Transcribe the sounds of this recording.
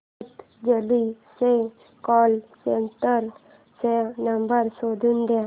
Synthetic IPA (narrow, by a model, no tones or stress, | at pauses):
t̪ | d͡ʒəlise | kɔːlseɳʈəɾ | senəmbəɾsod̪ʱund̪a